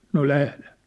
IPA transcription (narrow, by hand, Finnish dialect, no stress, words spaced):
no læhlen̞